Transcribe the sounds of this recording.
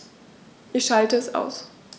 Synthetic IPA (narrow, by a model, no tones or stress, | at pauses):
ʔɪçʃaltəɛsa̰ʊs